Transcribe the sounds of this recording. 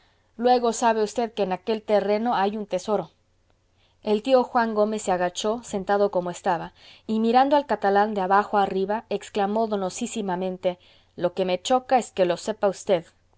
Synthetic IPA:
lwe̞ɣo̞saβe̞ust̪e̞ðke̞ːnake̞lt̪e̞re̞no̞ajunt̪e̞so̞ɾo̞ | e̞lt̪io̞xwaŋɡo̞me̞sːeaɣat͡ʃo̞se̞nt̪að̞o̞ko̞moe̞st̪aβaimiɾand̪oalkat̪aland̪eaβaxoariβaeksklamo̞ðo̞no̞sisimamẽ̞nt̪e̞ | lo̞ke̞me̞t͡ʃo̞kae̞ske̞lo̞se̞paust̪e̞ð

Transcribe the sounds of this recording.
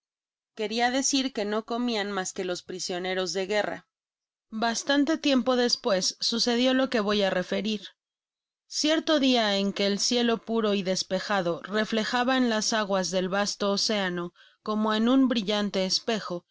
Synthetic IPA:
ke̞ɾiaðe̞siɾke̞no̞ko̞mianmaske̞lo̞spɾisjo̞ne̞ɾo̞zðe̞ɣe̞ra̰ | bast̪ant̪e̞t̪je̞mpo̞ðe̞spwe̞sːuse̞ð̞jo̞lo̞ke̞βo̞jare̞fe̞ɾiɾ | sje̞ɾt̪o̞ðiaeŋke̞ːlsje̞lo̞puɾo̞iðe̞spe̞xaðo̞re̞fle̞xaβaenlasaɣwazðe̞lβast̪o̞ːse̞ano̞ | ko̞mo̞enũmbɾiʝant̪e̞ːspe̞xo̞

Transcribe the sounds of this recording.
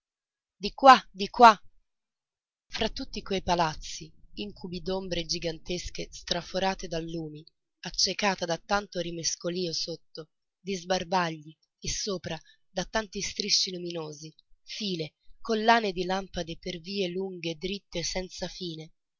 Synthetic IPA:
d̪ikwad̪ikwa | fɾat̪ːut̪ːikwejpalat̪sːiiŋkʰubid̪ombɾed͡ʒiɡant̪eskest̪ɾafoɾaːt̪ed̪alːuːmi | at͡ʃːekaːt̪ad̪at̪ːant̪oɾimeskoliːosot̪ːo | d̪izbarbaʎːi | esːoːpɾa | d̪at̪ːant̪ist̪ɾiʃːiluminoːzifiːlekolːaːned̪ilampad̪eperviːeluŋɡed̪ːɾit̪ːesɛnt̪safiːne

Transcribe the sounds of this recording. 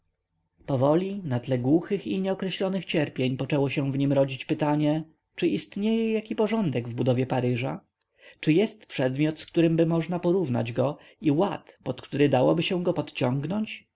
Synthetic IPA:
pɔvɔlʲinat̪lɛɡwuxɘxiɲɛɔkɾɛɕlɔnɘxt͡ɕɛɾpʲjeɲpɔt͡ʂɛwɔɕɛ̃vɲimɾɔd͡ʑit͡ɕpɘt̪aɲɛ | t͡ʂɘʔist̪ɲejɛjakʲipɔʐɔnd̪ɛɡvbud̪ɔvʲjɛpaɾɘʐa | t͡ʂɘjɛst̪pʂɛd̪mʲjɔt̪skt̪uɾɘmbɘmɔʐnapɔɾuvna̰d͡ʑɡɔ | iwat̪pɔt̪kt̪uɾɘd̪awɔbɘɕɛ̃ɡɔpɔt̪t͡ɕɔ̃ŋɡnɔɲt͡ɕ

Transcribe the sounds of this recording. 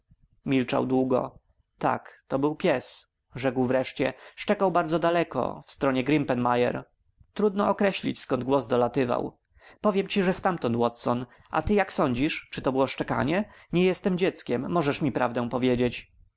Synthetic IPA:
mʲilt͡ʂa̰wd̪wuɡɔ̰ | t̪a̰kt̪ɔbɘwpʲjɛs | ʐɛkwvɾɛʂt͡ɕɛʂt͡ʂɛkawbaɾd̪zɔd̪alɛkɔ̰fst̪ɾɔɲɛɡɾimpɛnmajɛ̰ɾ | t̪ɾud̪nɔɔkɾɛɕlʲḭt͡ɕskɔnd̪̚ɡwɔzd̪ɔlat̪ɘva̰w | pɔvʲjɛmt͡ɕiʐɛst̪amt̪ɔnt̪wɔt̪sɔn | a̰t̪ɘjaksɔɲd͡ʑiʂt͡ʂɨt̪ɔbɘwɔʂt͡ʂɛka̰ɲɛ | ɲɛjɛst̪ɛmd͡ʑɛt̪skʲɛmːɔʐɛʂmʲipɾavd̪ɛ̃w̃pɔvʲjed͡ʑet͡ɕ

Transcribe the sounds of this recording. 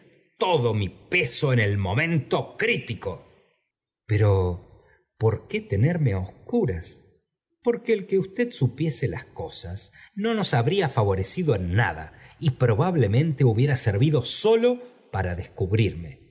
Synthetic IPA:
t̪oðomipe̞so̞ene̞lmo̞mẽ̞nt̪o̞kɾit̪iko̞ | peɾo̞ | po̞ɾke̞t̪eneɾmeaoskuɾas | po̞ɾkeːlkeust̪eðsupje̞selasko̞sasno̞no̞saβɾiafaβo̞ɾe̞siðoenːa̰ða̰ipɾo̞βaβle̞mẽ̞nt̪euβje̞ɾaseɾβiðo̞solo̞ | paɾaðe̞skuβɾiɾme̞

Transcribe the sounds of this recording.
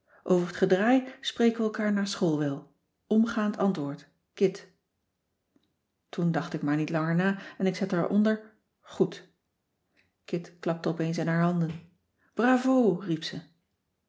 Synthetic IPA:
ʔowvəɹətχədraːjsprejkʋəːlˠkaːɹnaːɹsχolˠʋɛlˠ | ɔmχaːntʰɑntʋʊːɹt | kɪt | tundɑχtɪkmaːɹnitlɑŋəɹnaːɛnɪksɛtaɹʔɔ̰ndəɹ | χut | kɪtklɑp̚təɔpejns̬ɪnɦaːɹɦɑndən | b̥raːvowripsə

